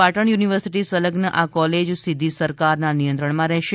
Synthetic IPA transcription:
aʈəɳ̃juniʋəɾsiʈisələɡnəʔakɔled͡ʒsid̪ʱːisəɾkaɾnanijənt̪ɾəɳmãɾɛɦʃe

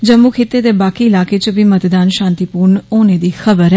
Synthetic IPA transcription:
d͡ʒəmːukʰɪt̪ːeːd̪eːbaːkiɪlaːkeːt͡ʃbiːmət̪d̪aːnʃãːnt̪iːpuːɾɳoːneːd̪iːxʰəbəɾɛ

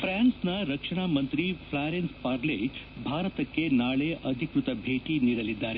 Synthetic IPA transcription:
pʰɾaːnsnɐɾɐkʂɐɳ̃aːmɐnt̪ɾipʰɭaːɾenspaːɾlebʱaːɾɐt̪ɐkːenaːɭeʔɐd̪ʱikɾut̪ɐbʱeːʈiniːɽɐlid̪ːaːɾe

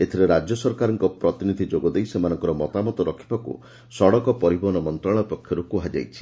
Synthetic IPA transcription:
et̪ʰiɾeɾad͡ʒjɔsɔɾkaɾɔŋkɔpɾɔt̪inid̪ʱid͡ʒoɡɔd̪ejsemanɔŋkɔɾɔmɔt̪amɔt̪ɔɾɔkʰi̥pakṵ | sɔɽɔkɔpɔɾibɔnɔmɔnt̪ɾaɭɔpɔkʰjɔɾukuɦad͡ʒa̰jt͡ʃʰi̥

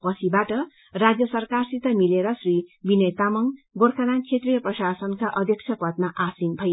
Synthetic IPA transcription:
pʌsʰibaʈʌ | rad͡zjʌsʌrkarsit̪ʌmileɾʌsribinʌjt̪amʌŋɡorkʰanant͡sʰet̪rijʌprʌsasʌnkaʔʌd̪ʱjʌk̚sʰjʌpʌt̪maʔasinbʱʌj

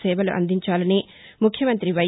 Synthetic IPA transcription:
sɛːbɐluʔɐ̰nd̪ʱiɲt͡ʃaːlɐni | mukʰjɐmɐnt̪ɾiʋɐ

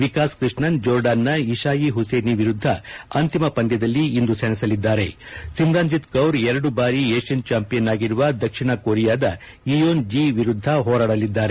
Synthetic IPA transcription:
ʋikaːskɾiʂɳɐnd͡ʒoːɾɖaːnːɐiʃaːjiɦuseːniʋiɾud̪ʱːɐɐnt̪imɐpɐnd̪jɐd̪ɐlːiːnd̪usɐnisɐlid̪ːaːɾe̞sind̪aːnd͡ʒit̪kɐwɾɛɾɐɽubaːɾieːʂɐnt͡ʃaːmpijɐnaːɡiɾuʋɐd̪ɐkʂiɳɐkoːɾijaːd̪ɐ | ijoːnd͡ʒiːʋiɾud̪ʱːɐɦɔːɾaːɽɐlid̪ːaːɾe

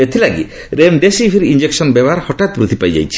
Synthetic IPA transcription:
et̪ʰilaɡḭ | ɾemɖesipʰiɾind͡ʒeksɔnbɛbɔaɾhɔʈat̪̚bɾut̪ʰipajd͡ʒa̰jt͡ʃʰi̥

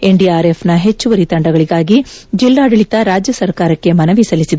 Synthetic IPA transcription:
e̞ɳɖiaːɾe̞pʰnɐɦe̞t͡ʃːuʋɐɾit̪ɐɳɖɐɡɐɭiɡaːɡid͡ʒilːaːɽɐɭit̪ɐɾaːd͡ʒjɐsɐɾkaːɾɐkːe̞mɐnɐʋisɐlisid̪e

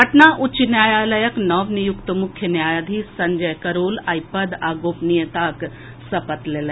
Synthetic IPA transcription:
ɐʈnaːʔut͡ʃinjaːjaːlɐjəknɔʋnijʊkt̪əmʊkʰjənjaːjad̪ʱisɐɲd͡ʒɐjkɐɾoːlaːjpɐd̪aːɡoːpnijɐt̪aːk | sɐpət̪leːlə

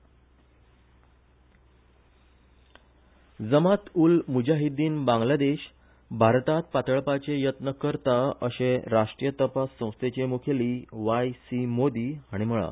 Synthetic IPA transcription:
d͡zəmat̪ulmud͡ʑaɦid̪iːnbãŋɡlad̪eɕ | bʱaɾt̪at̪̚pat̪əɭpat͡ɕejət̪nəkəɾt̪aəɕẽɾaʂʈɾijət̪əpasːə̃w̃st̪et͡ɕemukʰeliːʋajsimod̪iːaɽ̃im̤əɭa̰

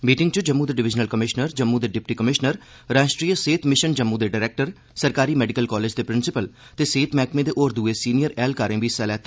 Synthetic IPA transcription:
miːʈɪ̃ŋɡt͡ʃəd͡ʒəmːũːd̪eɖɪʋɪd͡ʒnəlkəmɪʃnəɾd͡ʒəmːud̪eːɖɪp̚ʈiːkəmɪʃnəɾ | ɾaːʃʈɾiːəseːt̪ʰmɪʃənd͡ʒəmːũːd̪eːɖaːɾɛːk̚ʈəɾ | səɾkaːɾiːmɛːɖɪkəlkɔːleːd͡ʒd̪eːpɾɪnsɪpəl | t̪eːseːt̪ʰmɛːkmẽːd̪eːʔoːɾd̪uːeːsiːnijəɾɛːlkaːɾẽːʋiːsɛːlɛːt̪ː

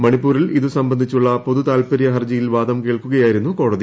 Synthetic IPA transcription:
mɐɳipːuːɾiliðɨsɐmbɐnd̪ʱit͡ɕːuɭːɐpo̞ðut̪aːlpɐɾijɐɦɐrd͡ʑɐjilʋaːd̪ɐmkeːɭkuɣɐjaːjiɾunːuko̞ːɽɐði

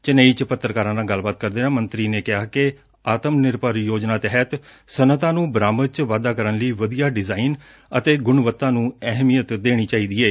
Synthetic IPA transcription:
t͡ʃənəiːt͡ʃpət̪ːɾkaːɾãːnãːɡəlbaːt̪̚kəɾd̪eːnãːmənt̪ɾiːneːkɪɦaːke | aːt̪əmnɪɾpaːɾjoːd͡ʒnaːt̪ɛɦət̪sənət̪ãːnũːbɾaːməɾt͡ʃʋaːd̪aːkəɾənləiːʋəd̪ijaːɖɪzaːin | ət̪eːɡʊɳʋət̪ːãːnũːɛɦmijət̪d̪eːɽ̃iːt͡ʃaːiːd̪iːeː

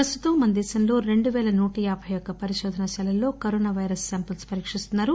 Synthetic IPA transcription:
pɾɐst̪ut̪ɐmːɐnd̪iːsɐnlo̞ːɾe̞ɳɖuʋɛːlɐnuːʈɐjaːbʱɐjɔkːɐpɐɾiʃɔːd̪ʱɐnɐʃɛlɐlːo̞ːkoɾoːnaːʋɐjɾɐsːaːmpɐlspɐɾiːkʂist̪unːaːɾu

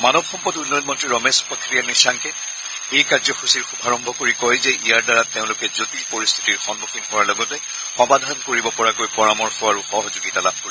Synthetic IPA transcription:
manɔb̚xɔmpɔtunːɔjɔnmɔntɹiɹɔmesu̥pakʰːɹijanisaŋkɛ | ejkaɹzɔxusiɹxubʱaɹɔmbʱɔkoɹikɔjzɛʔijaɹdaɹatːeʊ̃lʊkɛzotipoɹist̪ʰitiɹxɔnboxʰinɦʊwaɹlɔɡɔtɛ | xɔmbadʱankoɹibɔpɔɹakojpɔɹamɔɹxɔaɹuxɔɦɔzʊɡitalab̚ʱkoɹi

